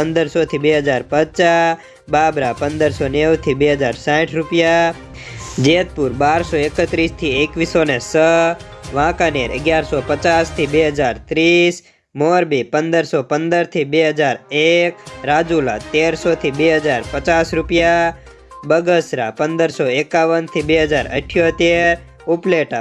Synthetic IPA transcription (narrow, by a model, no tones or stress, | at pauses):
pənd̪əɾsot̪ʰibeɦəd͡ʒaɾpət͡ʃa | babɾapənd̪əɾsonewt̪ʰibeɦəd͡ʒaɾsãʈʰɾupja | d͡ʒet̪̚puɾbaɾsoekət̪ɾist̪ʰiekʋisonesə | ʋãkaneɾə̰ɡjaɾsopət͡ʃast̪ʰibeɦəd͡ʒaɾt̪ɾis | moɾbipənd̪əɾsopənd̪əɾt̪ʰibeɦəd͡ʒaɾekɾad͡ʒula̰t̪eɾsot̪ʰibeɦəd͡ʒaɾpət͡ʃasɾupja | bəɡəsɾa̰pənd̪əɾsoekaʋənt̪ʰibeɦəd͡ʒaɾə̰ʈʰːjot̪eɾ | upleʈa